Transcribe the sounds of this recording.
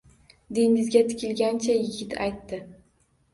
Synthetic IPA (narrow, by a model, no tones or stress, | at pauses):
d̪eɪzɡʲat̪ʰɪ̥kʲɪlɡʲant͡ʃʰajɪɡʲɪt̪ʰa̰jt̪ːɪ